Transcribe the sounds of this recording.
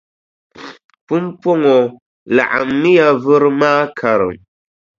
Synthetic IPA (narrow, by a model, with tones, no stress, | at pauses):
pu˦m˦po˦ŋɔ˨ | la̰˨ʔa̰˨mːi˦ja˦vɨ˦ɾɨ˦maː˦kʰa˨ɾɨ̰˨m